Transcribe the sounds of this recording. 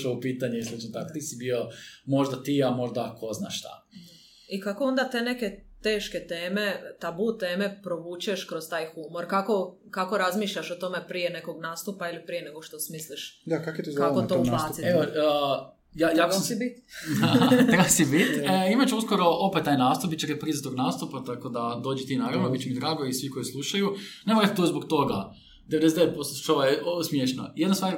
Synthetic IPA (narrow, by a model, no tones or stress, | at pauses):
oupiːt̪aɲeislˠut͡ʃnot̪akot̪isibiomo̞ʒd̪at̪iamo̞ʒd̪akʰozna̰ʃʃt̪a̰ | ikakoo̞nd̪at̪e̞ːne̞ke̞t̪e̞ːʃket̪eːme̞t̪abut̪e̞ːme̞pɾo̞ʋuːt͡ʃe̞ʃkɾost̪aːjxumo̞ɾkako̞ | kako̞ɾazmiːʃʎaʃot̪o̞me̞pɾijene̞koɡnaːst̪upailipɾijeneɡoʃt̪osmisliʃd̪akakit̪uzkakot̪oouplaːt̪it̪eo | jajaːsbit̪d̪at̪ɾasibit̪əimat͡ɕeuskoɾo̞ʔopet̪ːaːjnaːst̪up̚bitt͡ʃeɾepɾizat̪oɡnaːst̪upat̪akod̪ad̪oːd͡ʒet̪iːnaːɾaʋnobit͡ɕemid̪ɾaːɡoisʋiko̞jislˠuʃajunemoɾat̪t̪ozbok̚t̪o̞ɡa̰ | d̪eʋed̪ezd̪eet̪̚post̪oʃoʋajesmjeʃno̰jed̪nast̪ʋaːɾ